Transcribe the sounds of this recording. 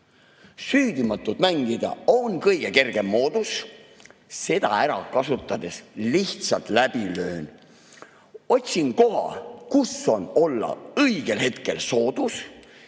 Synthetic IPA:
syːd̪̥imɑt̪ːˑud̪̥mæŋɡid̪̥ɑ̰onkɤjɡ̥e̞ke̞rɡ̥e̞mːo̞ːd̪̥us | se̞d̪̥ɑ̰æɾɑkɑsut̪ːˑɑd̪̥e̞sliht̪sɑlt̪ˑlæb̥ilø̞ːn | o̞t̪ʲsʲinko̞ɦɑ̰kuso̞no̞lːɑ̰ɤjɡ̥e̞lhe̞t̪ke̞lso̞ːd̪̥us

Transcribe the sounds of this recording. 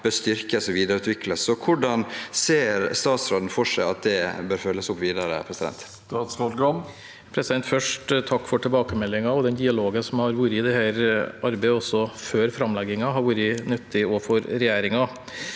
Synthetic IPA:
b̥øːst̪ʏɾkəsɔʋiːd̪əɾəʉːt̪ʋɪkləsɔkʰʊɖɑnseːɾst̪ɑːt̪sɾoːd̪n̩fɔʂæɪɑ̰t̪̚d̪ɛbøːɾfœlːəsʊpʋiːd̪əɾə̰pʰɾɛsɪd̪ɛ̰nt̪ | t̪ɑːt̪sɾɔʈɡɑm | pʰɾɛsɪd̪ɛnt̪fœʂʈt̪ʰɑkːfɔʈʰɛlbɑːkəmɛlːɪŋɑɔd̪ɛnd̪ɪɑloːɡənsɔmhɑɾʋuːɾəɪd̪ɛhæːɾʔɑɾbɛɪɔsːɔføːɾfɾɑmlɛɡɪŋɑɦɑɾʋuːɾənʉt̪ʰːɪɔfɔɾɾɛjæːɾɪŋɑ

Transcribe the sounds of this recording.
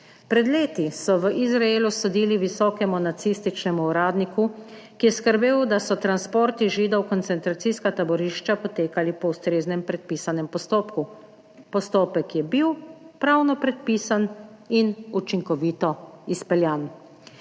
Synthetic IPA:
pɾɛd̪leːt̪isɔʋəʔizɾaeːlusɔd̪iːliʋisɔːkɛmunat̪sist̪it͡ʃnɛmuːɾaːd̪niku | kijɛskəɾbeːwd̪asɔt̪ɾanspoːɾt̪iʒiːd̪ɔwkɔnt̪sɛnt̪ɾat̪siskat̪abɔɾiːʃt͡ʃapɔt̪eːkalipɔwst̪ɾeːznɛmpɾɛt̪̚piːsanɛmpɔst̪oːpku | pɔst̪oːpɛkjɛbiwpɾawnɔpɾɛt̪̚piːsan | inut͡ʃiŋkɔʋiːt̪ɔispɛljan

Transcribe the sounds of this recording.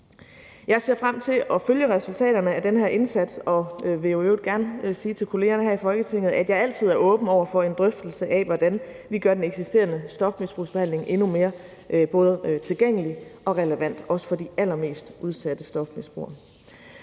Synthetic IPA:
jɑ̈ɪse̝ɐ̰fʁam̰t͡sʰe̝lʔɒ̽føljəʁɛsult͡sʰɛ̰ːɾɐnəæd̥enɦæɐ̰ʔe̝nsæd̥sɒ̽ʋe̝joeʊd̥ɡ̥æɐnsiːt͡sʰe̝lkʰo̝le̝ːɐnəɦhæɐ̰ifɒ̽lɡ̥ət͡sʰe̝ŋ̰ð̩ˠæd̥jɑ̈ɪæl̰t͡sʰið̞̰ˠæɐʔɔ̽ːb̥n̩ɒʊ̰ɐfɒ̽e̝nd̥ʁœfd̥l̩səʔæʋɒd̥æn | ʋiɡ̥ɶɐd̥eneɡ̥sisd̥e̝ːɐnəsd̥ɒ̽fmisb̥ʁṵːsb̥ehæn̰leŋʔe̝nume̝ːɐ | ʔb̥ɔ̽ːðˠət͡sʰe̝lɡ̥eŋ̰əliʔɒ̽ʁɛləʋæn̰d̥ɒ̽sə̥fɒ̽d̥iæl̰ɐme̝̰ːsd̥ʔuð̞ˠsæd̥əsd̥ɒ̽fmisb̥ʁṵɐ̰

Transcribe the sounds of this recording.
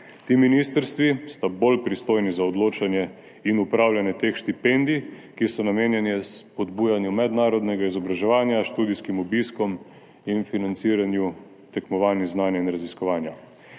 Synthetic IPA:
t̪iːminist̪əɾst̪ʋist̪abolpɾist̪oːjnizaɔd̪loːt͡ʃanjɛ | inupɾawljanjɛt̪exʃt̪ipɛnd̪i | kisɔnameːnjɛnjɛspɔd̪buːjanjumɛd̪naːɾɔd̪nɛɡaizɔbɾaʒɛʋaːnjaʃt̪uːd̪iskimubiskɔm | infinant̪siːɾanju | t̪ɛkmɔʋaːniznaːnjainɾaziskɔʋaːnja

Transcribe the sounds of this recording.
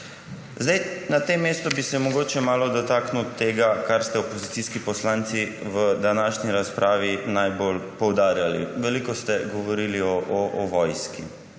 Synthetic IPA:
zd̪ajnat̪emːeːst̪ɔbisɛmɔɡoːt͡ʃɛmaːlɔd̪ɔt̪aːknut̪eːɡakaɾst̪ɛopozit̪siskipɔslant̪siʋəd̪anaːʃniɾaspɾʔaːʋinajbolpɔwd̪aːɾjaliʋɛlikɔst̪ɛɡɔʋɔɾiːliɔʔɔʔɔʋɔjski

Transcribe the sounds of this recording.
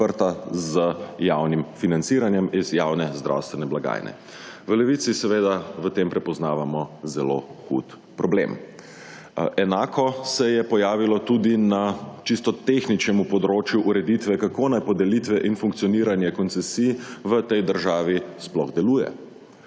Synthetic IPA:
pəɾt̪azəjawnimfinansiːɾanjɛmizjawnɛzd̪ɾʔa̰wst̪ʋɛnɛblaɡa̰ːjnɛ̰ | ʋəlɛʋit̪sisɛʋeːd̪aʋət̪empɾɛpɔznaːʋamɔzɛlo̰xṵt̪ | pɾɔblḛm | ɛnaːkʰɔsɛjɛpɔjaːʋilɔt̪ud̪inat͡ʃist̪ɔt̪exnit͡ʃnɛmupɔd̪ɾoːt͡ʃjuʔuɾɛd̪it̪ʋɛkakoːnajpɔd̪ɛlit̪ʋɛʔinfuŋk̚tsiɔniːɾanjɛkɔnt̪sɛsijʋət̪ɛjd̪əɾʒaːʋisplɔ̰ɣd̪ɛluːjɛ̰

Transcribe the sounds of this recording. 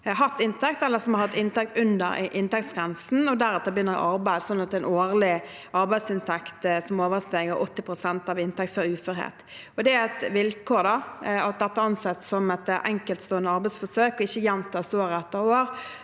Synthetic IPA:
ɦɑt̪ːɪnt̪ʰɛk̚t̪ɛlːəsɔmhɑɾhɑt̪ːɪnt̪ɛk̚t̪ʉnd̪ə̰ɾʔɪnt̪ɛkt̪sɡɾɛnsn̩ɔd̪æɾɛt̪ːəbəjʏnːəʁɪ̰ʔɑɾbæɪd̪sɔnːɑt̪̚d̪ɛɪnoːʁlɪ | ʔɑɾbæɪsɪnt̪ʰɛkt̪sɔmoːʋəʁst̪eːɡəɾʔɔt̪ːɪpɾʊsɛnt̪ɑʋɪnt̪ʰɛk̚t̪fɔɾʉːfœɾhḛːt̪ | ɔd̪ɛæɪt̪ʋɪlkʰoːɾd̪ɑɑt̪̚d̪ɛt̪ːəɑnsɛt̪sɔmɛt̪ʔɛ̰ŋkəlt̪st̪oːənd̪əɑɾbæɪsfɔsøːkɔɪçːəjɛnt̪ʰɑːst̪oːɾɛt̪ːəɾoːɾ

